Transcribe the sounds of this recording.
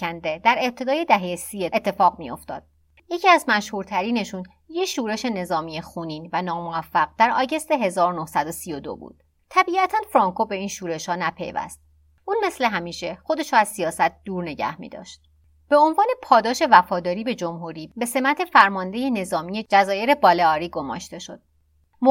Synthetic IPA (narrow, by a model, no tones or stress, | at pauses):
ænd̪e̞d̪æɾe̞b̚t̪ʰe̞d̪ɒːje̞d̪æɦejesieet̪ʰːe̞fɒːɣmijo̞̰ft̪ɒ̰ːd̪̥̚ | jecʰiæzmæʃhuːɾt̪ʰæɾiːne̞ʃun | jecʃuːɾe̞ʃe̞ne̞zɒːmijexuːniːnvænɒːmoæfːæɣ̚d̪̥æɾɒːɟe̞st̪eɦe̞zɒːɾonohsæd̪osijo̞d̪o̰bṵːd̪̥ | t̪ʰːæbiːæt̪ʰænfɾɒːŋkʰo̞be̞iːnʃuːɾe̞ʃhɒːnæpʰe̞̰jvæ̰st̪̚ | ʔuːnme̞sle̞ɦæmiːʃe̞xo̞d̪e̞ʃuæzsijɒːsæt̪̚d̪̥uːɾne̞ɟæ̰hmḭːd̪ɒ̰ːʃt̪̚ | b̥e̞o̞nvɒːne̞pʰɒːd̪ɒːʃe̞væfɒːd̪ɒːɾiːbe̞d͡ʒo̞mɦuɾiːbe̞se̞mæt̪ʰe̞fæɾmɒːnd̪e̞jene̞zɒːmiːje̞d͡ʒæzɒːje̞ɾe̞bɒːleɒːɾiːɡo̞mɒ̰ːʃt̪e̞ʃo̞d̪̥̚ | mo